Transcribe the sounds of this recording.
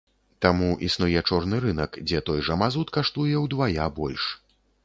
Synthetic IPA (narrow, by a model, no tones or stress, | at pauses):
t̪amuʔisnujɛt͡ʂɔrnɨɾɨnɐkd͡zʲɛt̪ɔjʐɐmazut̪kaʂt̪ujɛwd̪vajabɔlʲʂ